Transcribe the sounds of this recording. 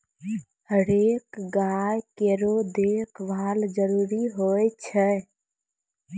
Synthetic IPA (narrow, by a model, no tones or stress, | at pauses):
həɾekɡajkeɾod̪ekʰʋald͡ʒəɾuːɾiɦoɛt͡ʃʰɛ